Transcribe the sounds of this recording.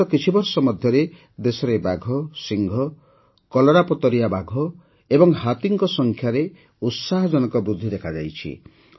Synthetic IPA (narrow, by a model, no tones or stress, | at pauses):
ɔkit͡ʃʰibɔɾsɔmɔd̪ʱjɔɾe | d̪esɔɾebaɡʱɔsiŋɡʱɔ | kɔlɔɾapɔt̪ɔɾijabaɡʱɔ | ebɔŋɦat̪iŋkɔsɔŋkʰjaɾe | ut̪saɦɔd͡ʒɔnɔkɔbɾud̪ʱːid̪ekʰad͡ʒa̰jt͡ʃʰḭ